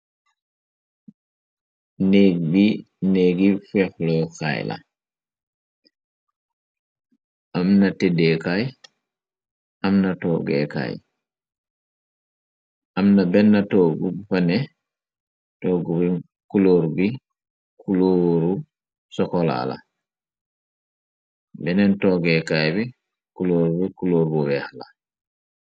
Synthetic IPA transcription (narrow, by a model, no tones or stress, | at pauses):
neɡbi | neːɡifɛxlɔka̰jla̰ | ʔamnatedɛkaj | ʔamnatɔ̰ːɡɛ̰ka̰j | ʔamnabɛnːatɔɡubfanɛ | tɔɡubi | kuloɾubi | kʰuloːɾu | sɔkɔla̰la̰ | bɛnɛntɔɡɛkajbɛ | kuloːɾubikuloːɾbɔbɛhala